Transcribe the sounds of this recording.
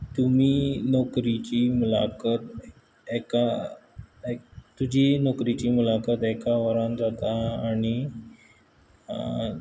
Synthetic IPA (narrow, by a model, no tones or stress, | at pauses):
t̪um̤iːnɔkɾit͡ɕiːmula̰kət̪ | eka | t̪ud͡ʑiːnɔkɾit͡ɕiːmulakət̪ekaʋəɾand͡zat̪aaɽ̃i